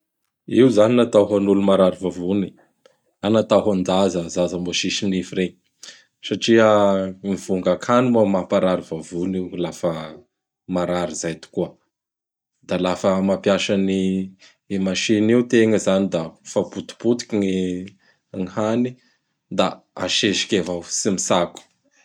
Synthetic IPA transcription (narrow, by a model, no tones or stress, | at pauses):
iuzaninat̪aɦanulumaɾaɾivavuni̥ | anat̪aɦand͡z̪azəzazəmboʃiʃinifireɲ | saʈ͡ʂiəmiv̥uŋɡakʰanimamapaɾaɾivavunilafə | maɾaɾizajt̪u̥kuə | d̪alafəmapjaʃani | emaʃinewt̪eŋəzanid̪afaput̪u̥put̪i̥kʲiŋi | ŋihani | d̪a | a̰ʃeʃi̥kʲevasimisaku̥